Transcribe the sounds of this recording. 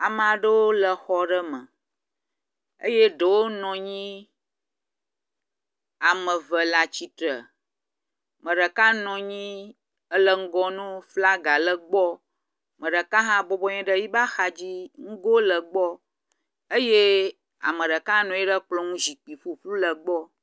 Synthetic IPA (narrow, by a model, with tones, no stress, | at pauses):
a˨m˨a˨ɖə˦wo˦lə˨xɔ˦ɖə˦mə̃˨ | ə̰˦je˦ɖə˨wo˦nɔ̃˨ɲĩ˦ | a˨mə̃˨və˨la˨t͡ɕi˦t̪ɾə˨ | mə̃˨ɖə˨ka˦nɔ̃˨ɲĩ˦ | ə˦lə˦ŋ̩˦ɡɔ˦nũ˦fla˦ɡa˨lə˦ɡ͡bɔ˦ | mə̃˨ɖə˨kã˦ɦã˦bɔ˦bɔ˦ɲɛ̃˦ɖə˦ji˦ba˦xa˨d͡ʑi˦ŋ̩˦ɡo˦lə˨ɡ͡bɔ˦ | ə˦je˦ | a̰˨mə̃˨ɖə˨ka˦nɔ̃˨je˦ɖə˦k͡plɔ˦ŋũ˦zi˨k͡pi˨fu˦flu˦lə˨ɡ͡bɔ˦